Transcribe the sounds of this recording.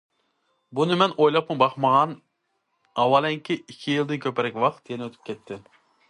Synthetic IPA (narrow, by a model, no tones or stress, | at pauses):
bunɨmɛnojlˠɑpmɨbɑχmɑʁɑn | ɑwɑlˠɛŋkʲʰiikʲʰijilˠd̪ɪnkʲʰøpɛɾɛkʲwɑqt̪jenøt̪ʰy̥p̚kʲʰɛt̪ʰːɪ